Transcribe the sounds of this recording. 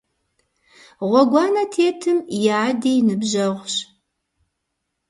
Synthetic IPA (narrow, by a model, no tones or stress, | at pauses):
ʁʷɔɡʷɑːnɐtʰeːtʰɨmjaːdiːnɨbʑɐʁʷɕ